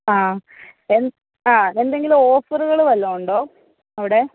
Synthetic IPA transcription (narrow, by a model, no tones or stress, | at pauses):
aː | en | aːend̪eŋɡiluoːfɐruɣɐɭuʋɐlːoːuɳɖoː | ɐʋiɽe̞